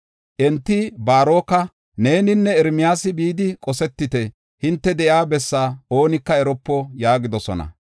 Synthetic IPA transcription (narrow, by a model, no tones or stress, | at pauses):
ʔɛnt̪ːɪbaːɾo̞ːkɐ | ne̞ːnɪnːɛɛɾmɪjaːsɪbiːd̪ɪkʼɔsɛt̪ːɪt̪ɛ | hɪnt̪ːɛd̪ɛʔjaːbɛsːaːo̞ːnɪkːɐɛɾɔpːɔjaːɡɪd̪ɔsɔ̰nɐ̰